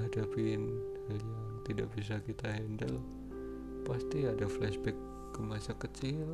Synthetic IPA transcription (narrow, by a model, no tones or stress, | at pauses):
ɦadapɪn | ljaŋt̪idaʔbis̬akit̪aɦɛndəl | past̪iadaflɛʃbɛkː | əmasakət͡ʃɪl